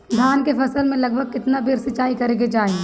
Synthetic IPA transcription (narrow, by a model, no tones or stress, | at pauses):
d̪ʱjaːnkefɐsəlmẽlɐɡ̚bʱəɡ̚kɪt̪nabeːɾsɐt͡ʃaːikɐɾẽːɡed͡ʒaːẽ